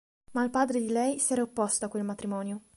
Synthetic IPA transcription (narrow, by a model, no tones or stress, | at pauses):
mailpaːd̪ɾed̪ilɛjsiɛːɾaopːɔst̪oakːwelmat̪ɾimɔːnjo